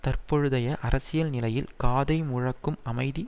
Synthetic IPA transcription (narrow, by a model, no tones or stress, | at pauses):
t̪ɐrpɔɻɯðɐjɐʔɐɾʔɐsɪjɐlnɪlɐjɪlkaːðɐɪmʊɻɐkːɯmɐmɐɪði